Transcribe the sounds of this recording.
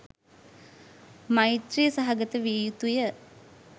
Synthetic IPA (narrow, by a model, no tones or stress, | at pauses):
mait̪rijəsaɦaɡət̪əʋiːjut̪ujə